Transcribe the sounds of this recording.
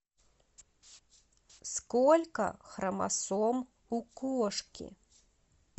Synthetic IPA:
skɔlʲkɐ̰xɾɐma̰sɔm | ukɔʂkʲḭ

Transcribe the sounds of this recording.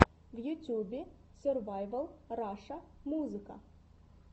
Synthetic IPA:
vjut̪ʲjubʲe | sʲørvajvəlˠraʂamuzɨka̰

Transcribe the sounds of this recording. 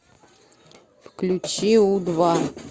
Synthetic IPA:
fklʲut͡ɕiud̪va

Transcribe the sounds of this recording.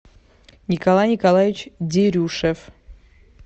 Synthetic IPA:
nʲikɐlˠajnʲikɐlˠajʲɪt͡ɕdʲeɾʲuʂəf

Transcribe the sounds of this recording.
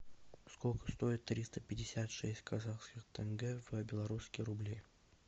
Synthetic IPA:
skolʲkə̥st̪o̞ɪt̪ːɾʲist̪əpʲɪdʲɪsʲat̪ʂɛsʲtʲkʰazaχskʲɪxt̪ʰənɡɛvəbʲɪlˠɐɾuskʲɪjɾʊblʲi

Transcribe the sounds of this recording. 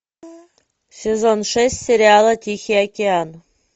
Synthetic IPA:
sʲezonʂɛsʲt̪ʲsʲeɾʲɪalˠət̪ʲixʲeakʲean

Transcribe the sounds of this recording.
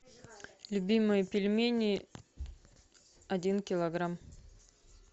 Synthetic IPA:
lʲʊbʲimɨjəpʲɪlʲmʲenʲɪ | ɐdʲinkʲɪlˠɐɡram

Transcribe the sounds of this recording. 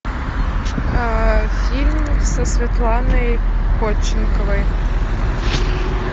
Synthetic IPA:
fʲilʲmsɐsʲvʲɐt̪lˠɑnɐjkot͡ɕːɪnʲkəvəj

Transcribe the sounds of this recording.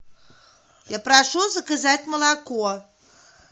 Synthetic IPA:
japɾaʂuzɐkazat͡sʲmɐlˠakɔ

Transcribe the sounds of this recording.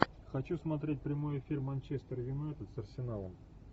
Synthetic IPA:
xɐt͡ɕusmɐt̪̬ɾʲet̚ʲpɾʲɪmo̞jefʲirmɐnʲt͡ɕest̪ərvʲɪnoɛt̪ət̪sɐrsʲɪnalˠə̰m

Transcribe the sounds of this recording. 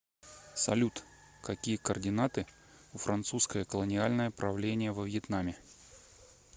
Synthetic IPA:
sɐ̰lʲut̪ | kɐkʲijəkərdʲɪnat̪ɨ | ʊfɾʔɐnt̪suskəjəkəlˠənʲɪalʲnəjəpɾɐvlʲenʲɪjəvəvʲjɪt̪namʲɪ

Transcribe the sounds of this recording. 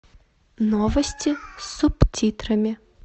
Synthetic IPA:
nɔvɐsʲtʲisuptʲit̪ɾɐmʲɪ

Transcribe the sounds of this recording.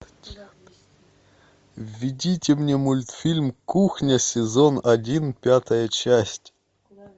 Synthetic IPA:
vʲidʲitʲɪmnʲemulʲt̪fʲilʲmkuxnʲəsʲɪzonɐdʲinpʲat̪əjət͡ɕæsʲtʲ

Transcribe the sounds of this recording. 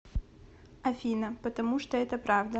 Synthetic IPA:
ɐfʲinəpət̪ɐmuʂt̪oɛt̪əpɾavd̪ə

